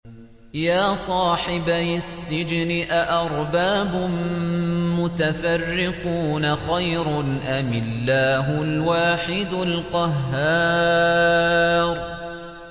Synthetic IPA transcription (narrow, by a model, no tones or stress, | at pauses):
jaːsˤɑːħɪbajsːɪd͡ʒnɪʔaʔɑɾˤbaːbʊn | mʊt̪afarːɪquːnaxajɾʊnʔamɪlːaːɦʊlwaːħɪd̪ʊlqɑɦːaː | ɾ